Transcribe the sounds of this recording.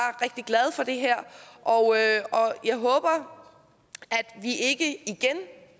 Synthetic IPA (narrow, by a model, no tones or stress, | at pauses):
ɐʁɛɡ̥̚d̥iɡ̥lɛð̞ˠfɒ̽d̥e̝ɦæɐ̰ʔɒʊøɒ̽jɑ̈ɪɦɔ̽ːb̥ɐ | æd̥ʋiʔe̝ɡ̥əiɡ̥en